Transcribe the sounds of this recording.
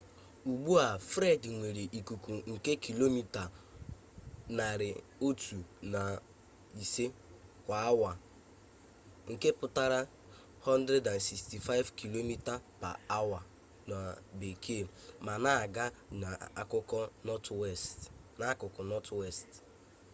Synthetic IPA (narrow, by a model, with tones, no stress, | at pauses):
u˨ɡ͡bu˦a˨fɾe˦dŋʷe˨ɾe˨ʔi˨ku˨ku˨ŋ̩˨ke˦kʰi˨lo˦mi˦ta˨ | na˨ɾɪ˨ | o˦tʰu˨na˨ | i˨se˦kʷa˨a˦wa˨ | ŋ̩˨ke˦pʊ˦ta˦ɾa˦ | hɔ˦n˦dɾe˦da˨n̩˨si˨sti˨fa˦ɪ˦vki˨lo˦mi˦ta˦pa̰˨a˦wa˨ | na˨be˨kʰe˦˨ma˨na˨˦˨ɡa˦na˨a̰˨kʊ˦kɔ˦nɔ˦twɛ˦˨stna˨˦kʊ˨kɔ˨nɔ˦twe˦˨st